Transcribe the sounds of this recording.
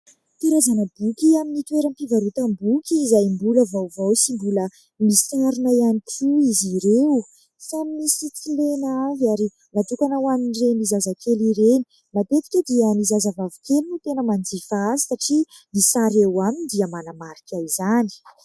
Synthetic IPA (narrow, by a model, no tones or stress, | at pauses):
t̪iɾazanəbukʲiaminit̪weɾəmpivaɾut̪əmbukʲiːzajmbuləvawvawsimbulə | misaɾunaianikʰuiziɾew | samimisit͡silenaavaɾi | nat̪ukanawaminirenizazakʰeliɾeni | mat̪et̪i̥kʲəd̪iənizazəvavikʲelinut̪enəmand͡zifazisaʈ͡ʂi | misaɾewamind̪iəmanamaɾikʲajzani̥